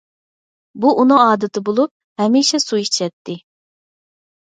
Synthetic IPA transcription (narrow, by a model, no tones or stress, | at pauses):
buʔunɨŋɑːd̪ɨt̪ʰɨbolˠup̚hɛmiʃɛsuit͡ʃʰɛt̪ʰːɪ